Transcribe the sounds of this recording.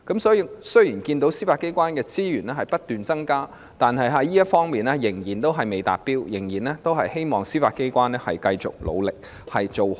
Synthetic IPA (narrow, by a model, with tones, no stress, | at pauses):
kɐ˨˥msɔː˨˥ji˧sɵ˥ɥjiː˨˩nkiː˧nt̪o˨˥wsiː˥faː˧t̚kːe˥jkʷwaː˥nkɛː˧t͡siː˥jyː˨˩nɛː˥ɦɐ˨jpɐ˥t̚t̪yː˨nt͡sɐ˥ŋkaː˥ | t̪aː˨nɦɐ˨jɦɐ˧jiː˥jɐ˥t̚fɔː˥ŋmiː˨nɛː˥jɪ˨˩ŋjiː˨˩nt̪o˥wɦɐ˨jme˨˧jt̪a̰ː˨t̚piː˥wjɪ˨˩ŋjiː˨˩nɛː˥t̪o˥wɦɐ˨jhe˥jmɔː˨ŋsiː˥faː˧t̚ke˥jkʷwaː˥nɛ˥hɐ̰˨jkɐ˧jt͡sʊ̰˨k̚lo̰˨˧wlɪ˨k̚ | hɐ˨jt͡ʃo˨w